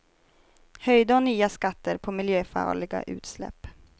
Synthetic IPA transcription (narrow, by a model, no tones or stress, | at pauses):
hœjd̪əɔnːyːaskat̪ːəɾpʰɔmɪljøːfɑ̰ːɭɪɡa̰ʔʉ̟̰ːt̪slɛ̰pː